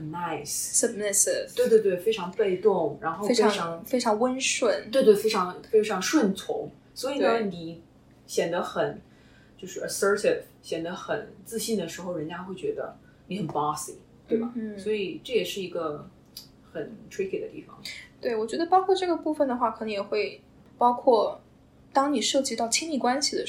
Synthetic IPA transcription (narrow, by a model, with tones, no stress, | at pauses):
na˥˩ɪssə˥˩pnɛ˥˩sɛ˧twe˥˧ɪt̪wt̪we˥˩ɪfe˥ɪʈ͡ʂʰɑ˧˥ŋpe˥˧ɪt̪ʊ˥˩ŋɻa˧˥nxo˥˧˥ɪe˥ɪ˧ʈ͡ʂʰɑ˧˥ŋfe˥ʈ͡ʂʰɑ˧˥ŋwə˥nʂwə˨˩˦nt̪we˧ɪt̪̬we˥˩ɪfe˥ɪʈ͡ʂʰɑ˧˥ŋfe˥ɪʈ͡ʂʰɑ˧˥ŋʂwə˥˩nt͡sʰʊ̰˧˥ŋ | swɔ˧˥i˨˩nə˦˥ni˨˩ | ɕjɛ˨˩nd̪ə˦xə˨˩n | t͡ɕjo˥˧ʊʂɻ̩˥˩ʔə˨˩sə˥tʰɪ˨˩f | ɕjɛ˨˩nd̪ə˦xə˨˩nt͡sɹ̩˥˧ɕi˥˩nd̪ə˩ʂɻ̩˧˥xo˧˩ʊɻə˧˥nt͡ɕja˥xwe˥˩ɪt͡ɕɥɛ˧˥d̪ə̰˧ | ni˧˥xə˨˩npɑ˥sḭ˨˩ | t̪we˥˩ɪba˨˩˥swɔ˧˥i˨˩ʈ͡ʂɤ˥˩jɛ˨˩ʂɻ̩˥˩i˧˥ɡə˧ | xə˨˩ntʰɹi˥kʰi˨˩d̪ə˦t̪i˥˩fɑ̰˨˩ŋt̪we˥˩ɪwɔ˨˩t͡ɕɥɛ˧˥d̪ə˧pɑ˥ʊkʰwɔ˥˧ʈ͡ʂɤ˥˩ɡə˩pu˥˩fə˩nd̪ə˩xwa˥˩kʰnɤ˧˥ŋjɛ˨˩xwe˥˩ɪ | pɑ˥ʊkʰwɔ˥˩ | t̪ɑ˥ŋni˨˩ʂɤ˥˩t͡ɕi˥t̪ɑ˥˩ʊt͡ɕʰi˥ŋli˥˩kwa˥nɕi˨d̪ə˩